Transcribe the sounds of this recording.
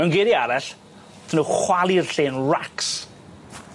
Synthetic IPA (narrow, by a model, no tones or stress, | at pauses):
mɛwnɡeɾiaɾaɬ | θʰnuχwalˠirɬeːnraks